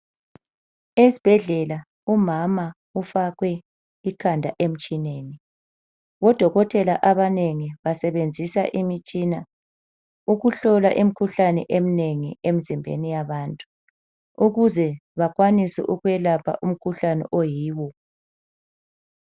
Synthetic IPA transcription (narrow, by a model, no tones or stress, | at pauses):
esi̥b̥ʱɛɮɛla | umama | ufaɣwɛ | ikʰandʱaʔem̩t͡ʃʼineːni | βɔd̥ʱɔɣɔtʰɛlaʔaβaneŋiβasɛβend͡zʱisa̰ʔimit͡ʃʼina | uɣuɬɔla̰ʔim̩kʰuɬanɛ̰ʔem̩neŋiem̩zimbʱḛnijaβaːntʼu̥ | uɣuzɛβaɣwanisɛ̰ʔuɣwɛlapʰa̰ʔum̩kʰuɬanɛ̰ʔojiːwɔ